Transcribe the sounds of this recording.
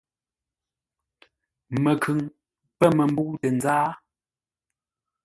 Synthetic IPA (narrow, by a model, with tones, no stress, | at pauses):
mə˨kʰʉ˨ŋ | pə˦mə˨m˦bu˦tə˨nzaː˦